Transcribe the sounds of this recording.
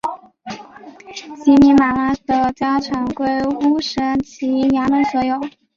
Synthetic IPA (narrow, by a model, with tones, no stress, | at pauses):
ɕi˧˥mi˧˥ma˨˩la˥d̪ə˧t͡ɕja˥ʈ͡ʂʰɑ˧˥ŋkwe˥ɪu˥ʂɻə˥nt͡ɕʰi˧˥jja˧˥mə˧˥nswɔ˧˥jo˨˩˦ʊ